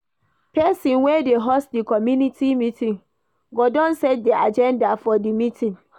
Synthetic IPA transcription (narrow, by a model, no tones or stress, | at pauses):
pʰɛsĩnwɛdeɦɔsdikʰɔmjũnitʰimĩtʰĩŋ | ɡɔdɔ̃nsɛ̃t̚diad͡ʒɛ̃ndafɔdimĩtʰĩŋ